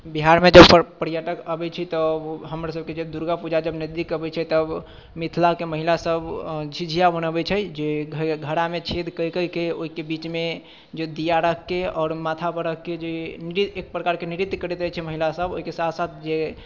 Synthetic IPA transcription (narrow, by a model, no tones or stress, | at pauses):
biɦaɾmed͡ʒəbpəpəɾjaʈəkəbɛt͡ʃʰɛt̪ɔɦəmɾasəb̚ked͡ʒəbd̪uɾɡapud͡ʒad͡ʒəbnəd̪ikəbɛt͡ʃʰɛt̪əb | mit̪ʰlakeməɦilasəbd͡ʒʱid͡ʒʱijabənəbɛt͡ʃʰɛd͡ʒeɡʱɡʱəɾamet͡ʃʰed̪kəjkəlkeoɦikebit͡ʃme | d͡ʒed̪ijaɾəkʰkːeɔːɾmat̪ʰapəɾəkked͡ʒeniɾit̪ek̚pɾəkaɾkeniɾit̪kəɾɛt̪əjt͡ʃʰɛməɦilasəbo̰ɦikesat̪ʰsat̪ʰd͡ʒe